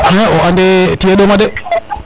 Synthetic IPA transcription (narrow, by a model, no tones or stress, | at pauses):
ɛ̃oandetieɗomade